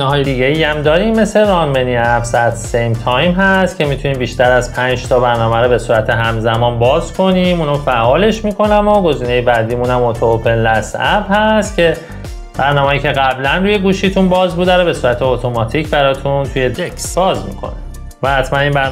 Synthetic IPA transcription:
eɦɒːjed̪iːɟeiæmd̪ɒːɾiːmːe̞se̞ɾɒnmeniæbsæt̪ʰsejmt̪ʰɒjmɦæst̪cʰe̞mit̪ʰuniːmbiːʃt̪æɾæzpʰænd͡ʒt̪ʰɒːbæɾnɒːmæɾobe̞suːɾæt̪ʰe̞ɦæmzæmɒːnbɒːzkʰo̞niːmuːnofæʔɒːle̞ʃmiːkʰo̞næmoɡo̞ziːnejebæd̪iːmunæmot̪ʰoopʰe̞nlæsæbhæst̪cʰe̞ | b̥æɾnɒːmejiːcʰe̞ɣæblænɾuːje̞ɡuːʃiːt̪ʰunbɒːzbud̪æɾobe̞suːɾæt̪ʰeot̪ʰo̞mɒːt̪ʰiːcʰbæɾɒːt̪ʰunt̪ʰuje̞d͡ʒekʰsɒːzmḭkʰo̰ne | væhæt̪ʰmæniːnbæ

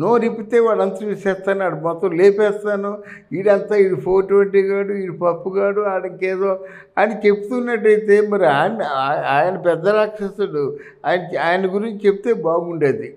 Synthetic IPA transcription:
noːɾipit̪e̞ːʋaːɽɐnt̪ɐɾuʋiʂɛːst̪aːnːaːɽumɔt̪ːɐmleːpɛːst̪aːnu | iːɽɐnt̪aːiːɽipʰoːʈʋeɳʈiːɡaːɽuiːɽupɐpːuɡaːɽuaːjɽɐŋkɛːd̪oː | aːjnit͡ʃepːu̥t̪unːɐʈ̬ːɐjt̪e̞ːmɐɾiaːnaaːjɐnɐpɛd̪ːɐɾaːkʂɐsuɽu | aːjɐnaːjɐnɐɡuɾiɲt͡ʃit͡ʃeput̪eːbaːɡmuɳɖeːd̪i

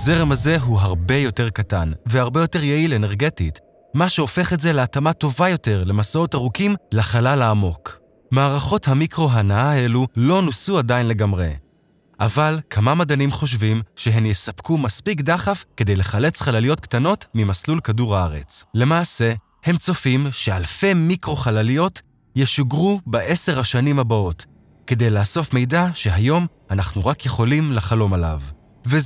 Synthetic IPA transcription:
ze̞ʁemaze̞ɦuɦaʁbe̞jo̞te̞ʁkatanvehaʁbe̞jo̞te̞ʁjeile̞neʁɡe̞tit | maʃeo̞fe̞χetze̞leatamato̞vajo̞te̞ʁle̞masao̞taʁukimlaχalalaːmo̞k | maːʁaχo̞thamikʁo̞ɦanaaelulo̞nusuadainle̞ɡamʁḛ | ʔavalkʰamamad̪animχo̞ʃ̬vimʃeɦe̞mjesapkumaspikd̪aχafke̞d̪e̞jle̞χale̞t͡sχalalijo̞t̚ktano̞tmimaslulkaduʁaaʁe̞̰t͡sle̞maːse̞ | he̞mt͡so̞fimʃe̞alfe̞mikʁo̞χalalijo̞t | jeʃuɡʁubaʔe̞se̞ʁhaʃanimhabao̞t | ke̞d̪e̞jlaːso̞fme̞jdaʃe̞ɦajo̞m | anaχnuʁakjeχo̞limlaχalo̞mala̰v | ve

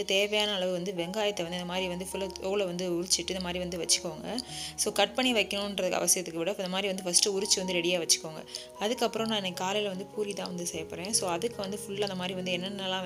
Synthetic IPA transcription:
t̪eːʋɐjaːnɐːɭɐʋɯʋɐnd̪ɯʋɛŋɡaːjɐt̪ːɐʋɐnd̪ɯɪnd̪ɐmaːd̪ɾiʋɐnd̪ɯfʊlːoːlɐʋɐnd̪ɯʊɾɪt͡ʃːɪʈːɯnd̪ɐmaːd̪ɾiʋɐnd̪ɯʋɐt͡ʃːɯ̥kːoːŋɡɐsoːkɐʈ̚pɐɳːiʋɐɪkːɐɳõɪnɾɐðɯkːɯɐ̰ʋɐsɪjɐt̪ːɯkːɯʋɪɽɐɪnd̪ɐmaːd̪ɾiʋɐnd̪ɯfɐsʈːɯʊɾɪt͡ʃːɯʋɐnd̪ɯɾɛɽɪjaːʋɐt͡ʃːɯ̥kːoːŋɡɐ̰ | ɐðɯkːɐpːɯɾõnãːɪnːɛkːaːlɐjɪlʋɐnd̪ɯpuːɾit̪ãːʋɐnd̪ɯsɛjɐpːɐɾẽːsoːɐðɯkːɯʋɐnd̪ɯfʊɭːɐnd̪ɐmaːd̪ɾiʋɐnd̪ɯɛnːɐnːɐlãː

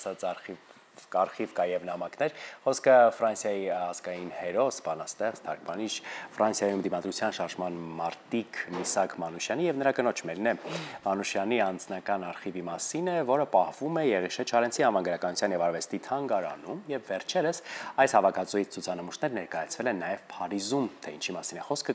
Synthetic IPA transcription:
sɑt͡si | ɑɾχivkɑjɛvnɑmɑknɛɾχɔskʰəfɾɑnsjɑjiɑzkɑjinhɛɾɔsbɑnɑst̪ɛχt͡st̪ʰɑɾk̚ʰbɑniʃfɾɑnsjɑjumd̪imɑd̪ɾut͡sʰjɑnʃɑɾʒmɑnmɑɾt̪ikʰmisɑkʰmɑnuʃjɑnijɛvnəɾɑkənɔt͡ʃʰmɛɾinɛmɑnuʃjɑniɑnd͡znɑkɑnɑɾχivimɑsinɛvɔɾəpɑhvumɛjɛʁiʃɛt͡ʃʰɑɾɛnt͡sʰihɑnvɑnɡəɾɑkɑnut͡sʰɑnjɛvɑɾvɛst̪it̪ʰɑŋɡɑɾɑ̰numjɛvːɛɾt͡ʃʰɛɾəsɑjshɑvɑkʰɑt͡sujit͡sʰt͡sʰut͡sʰɑnəmuʃnɛɾnɛɾkɑjɑt͡sʰvɛlɛnɑjɛv̥pʰɑɾizumt̪ʰɛint͡ʃʰimɑsinɛχɔskʰə

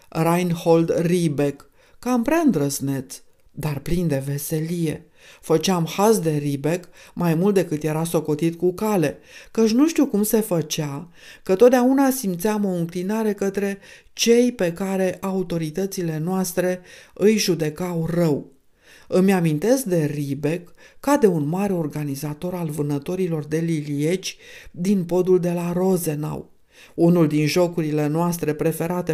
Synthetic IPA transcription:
rajnhold̪ribe̞kː | ampɾaɨnd̪ɾəsne̞t̪s | d̪arplind̪e̞ve̞se̞lije̞̰ | fət͡ʃamhasd̪e̞ɾibe̞kmajmult̪̚d̪e̞kɨt̪je̞ɾaso̞ko̞t̪it̪kukale̞kət͡ʃʲnuʃt̪iukumse̞fət͡ʃa | kət̪o̞t̪̚d̪aunasimt̪seamo̞ɨŋklinaɾe̞kət̪ɾe̞ | t͡ʃe̞jpe̞kaɾe̞ʔaut̪o̞ɾit̪ət̪sile̞noast̪ɾe̞ɨjʒud̪e̞kawrəw | ɨmʲamint̪e̞sk̚d̪e̞ribe̞kː | ad̪e̞unmaɾeo̞rɡanizat̪o̞ɾalvɨnət̪o̞ɾilo̞rd̪e̞lilie̞t͡ʃʲd̪inpo̞d̪uld̪e̞laɾo̞ze̞na̰w | unuld̪inʒo̞kuɾile̞noast̪ɾe̞pɾe̞fe̞ɾat̪e

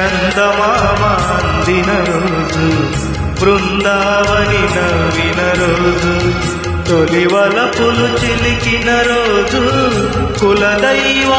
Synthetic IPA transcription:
ɐnd̪ɐmama | nd̪inɐɾo | d͡ʒu | bɾund̪aːʋɐninɐʋinɐɾoːd͡ʒu | t̪oliʋɐlɐpulut͡ʃilikinɐɾoːd͡ʒu | kulɐd̪ɐjʋa

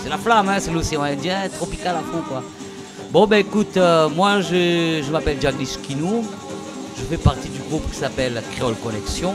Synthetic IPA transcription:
sɛlaflamɛ̃sɛloseɑ̃ɛ̃d̪jɛ̃t̪χɔpikalakɔ̃kwa | bɔ̃bɛekut̪ømwaʒəʒəmapɛlʒaɡliskʲinu | ʒəfɛpaʁt̪id̪yɡʁupkʲi̥sapɛlkχeɔlkɔnɛksjɔ̃

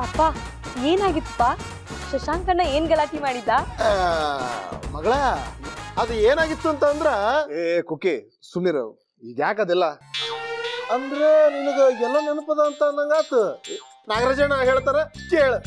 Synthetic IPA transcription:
ɐpːaː | eːnaːɡit̪ːu̥pːaː | ʃɐʃaːnkɐɳːɐeːnɡɐlaːʈimaːɽid̪ːaː | mɐɡɐɭa | ɐd̪ueːnaːɡit̪ːuɐnt̪ɐːnd̪ɾeekoːke | sumniɾṵ | iɡjaːk̬ɐd̪ɛlːɐ | ɐnd̪ɾeninɐɡɐɛlːɐnɐnupɐd̪ɐːnt̪ɐnɐŋɡaːt̪u | naːɡɐɾɐd͡ʒɐɳɐɦeːɭt̪aːneʂʈeɦeːɭ

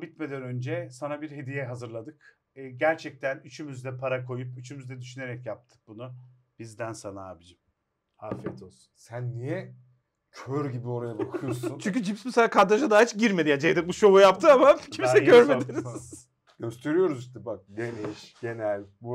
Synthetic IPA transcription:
bit̪me̞d̪ænø̞nd͡ʒɛsanabiɾɦe̞d̪ijɛɦazɯɾlˠad̪ɯkː | ɟæɾt͡ʃʰɛc̚t̪ʰænyt͡ʃʰymyzd̪ɛpʰaɾakʰo̞jupyt͡ʃʰymyzd̪ɛd̪yʃyneɾɛcjap̚t̪ʰɯ̥k̚bunu | b̥izd̪ænsanaa̰ːbid͡ʒim | hafɛt̪ʰos | sænːijɛ | cʰøɾɟibio̞ɾajabakʰɯjosunt͡ʃʰyɲʲcʰyd͡ʒipsmɛselʲaːkʰaɾd̪aʒad̪aːit͡ʃɟiɾmed̪ijad͡ʒejd̪ɛbuʃoujapt̪ʰɯamacʰimsɛɟøɾmed̪iɾiz̥ | ɟø̞st̪ʰe̞ɾyjo̞ɾuziʃt̪ʰɛbak̚ɟeniʃɟe̞nælʲbu

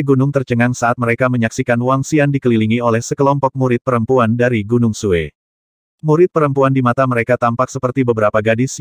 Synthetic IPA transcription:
ɡunʊŋt̪ərt͡ʃəŋaŋsaat̪̚məɾekaməɲaksikanwaŋsiandikəliliŋiolɛhsəkəlɔmpɔk̚muɾɪt̪̚pəɾəmpuandaɾiɡunʊŋsue | muɾɪt̪̚pəɾəmpuandimat̪aməɾekat̪ampak̚səpərt̪ibəbəɾapaɡadɪs

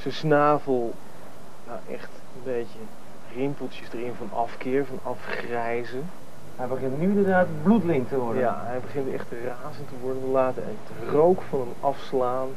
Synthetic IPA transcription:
səsnaːvəlˠ | jaʔɛ̰χt | ənbejtə | rɪmpl̩ˠtəsdərɪnvɑnɑfkɪːɹvɑnɑfχrɛjzə | ɦɛjbəχɪntnyɪ̃ndərdaːtblutlɪŋtəʋɔɹdəja̰ɦɛjbəχɪntɛ̰χtraːzəntəʋɔɹdəntəlaːtənət | rowkfɑnəmɑfslaːn

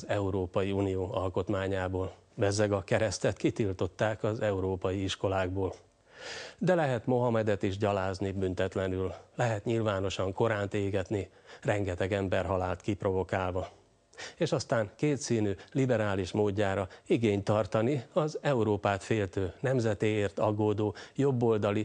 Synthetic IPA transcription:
ɛuɾoːpɒjiuːnijoːɒlko̞t̪maːɲaːboːl | bɛzɛɡɒkɛɾɛst̪ɛt̪kit̪ilt̪o̞t̪ːaːkɒzɛuɾoːpɒjiiʃko̞laːɡ̚boːl | d̪ɛlɛɦɛt̪mo̞ɦɒmɛd̪ɛt̪iʒɟɒlaːznibynt̪ɛt̪lɛnylːɛɦɛt̪ɲilvaːno̞ʃɒŋko̞ɾaːnt̪eːɡɛt̪ni | rɛŋɡɛt̪ɛɡɛmbɛrɦɒlaːlt̪kipro̞vo̞kaːlvɒ | eːʃɒst̪aːŋkeːt̪siːnyːlibɛɾaːliʃmoːɟːaːɾɒiɡeːɲt̪ɒrt̪ɒniɒzɛuɾoːpaːt̪feːlt̪øːnɛmzɛt̪eːeːrt̪ɒɡoːd̪oːjo̞bːo̞ld̪ɒli

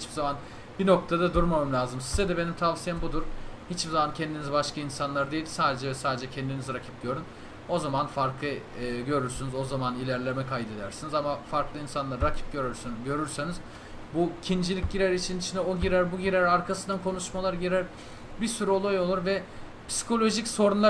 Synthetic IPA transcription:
hit͡ʃbizaman | bino̞k̚t̪ʰad̪ad̪uɾmamamlʲaːzɯmsi̥zed̪ɛbe̞nimt̪ʰavsijambud̪uɾ̥hit͡ʃbizamancʰɛnd̪inizbaʃkʰainsanlˠaɾd̪e̞jilʲsaːd̪e̞d͡ʒɛvɛsaːd̪ed͡ʒɛcʰɛnd̪iniziɾacʰip̚d̪ʲijo̞ɾun | o̞zamanfaɾk̪ˠɯɟø̞ɾyɾsynyzo̞zamanilʲæɾlʲemɛkʰajd̪e̞d̪æɾsinizamafaɾklˠɯinsanlˠaɾɾacʰi̥p̚ɟøɾyɾsɟø̞ɾyɾseniz | bucʰind͡ʒilʲic̚ɟiɾæɾit͡ʃʰinit͡ʃʰind̪ɛoɟiɾæɾbuɟiɾæɾaɾkʰasɯnd̪ankʰo̞nuʃmalˠaɾɟiɾæɾ | biɾsyɾyo̞lˠajo̞lˠuɾvɛ | pʰsi̥kʰo̞lʲo̞ʒicso̞ɾunlˠa

